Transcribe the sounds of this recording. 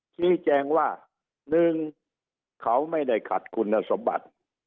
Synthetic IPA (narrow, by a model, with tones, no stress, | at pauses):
t͡ɕʰiː˧˥˩t͡ɕɛː˧ŋwaː˥˩ | nɯ˧ŋ | kʰa˦˥wma˥˩jda˥˩jkʰa˨˩t̪̚kʰu˧nːa˧˩so˨˦mba̰˨˩t̪̚